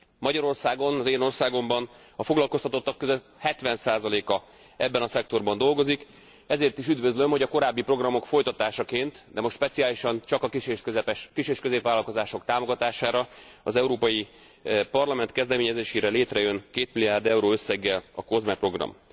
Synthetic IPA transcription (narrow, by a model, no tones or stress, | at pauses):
mɒɟɒɾo̞rsaːɡo̞nɒzeːno̞rsaːɡo̞mbɒn | ɒfo̞ɡlɒlko̞st̪ɒt̪o̞t̪ːɒkːøzø | hɛt̪ʋɛnsaːzɒleːkɒ | ɛbːɛnɒsɛk̚t̪o̞rbɒnd̪o̞lɡo̞zik | ɛzeːrt̪iʃyd̪vø̞zlø̞mho̞ɟɒko̞ɾaːbːipro̞ɡrɒmo̞kfo̞jt̪ɒt̪aːʃɒkeːnt̪d̪ɛmo̞ʃtʃpɛt̪siaːliʃɒnt͡ʃɒkɒkiʃeøɛpɛʃkiʃeːʃkøzeːpʋaːlɒlko̞zaːʃo̞kt̪aːmo̞ɡɒt̪aːʃaːɾɒɒzɛuɾoːpɒji | pɒrlɒmɛnt̪kɛzd̪ɛmeːɲɛzeːʃeːɾɛleːt̪rɛjø̞nkeːt̪miliaːrd̪ɛuɾoːø̞sːɛɡːɛlɒko̞zmɛpro̞ɡrɒ̰m